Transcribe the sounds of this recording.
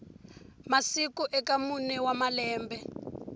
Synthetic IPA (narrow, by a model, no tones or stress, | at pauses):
masikuʔɛkamunɛwamalɛːmbɛ